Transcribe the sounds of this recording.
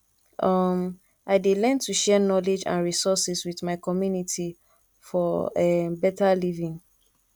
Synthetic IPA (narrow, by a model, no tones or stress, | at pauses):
ʔʌm | ʔaɪdelɛ̃ntuʃɛnɔled͡ʒã̰nɹisɔsɛswiθmaɪkɔmjunitʰi | fɔɛbɛtalivĩŋ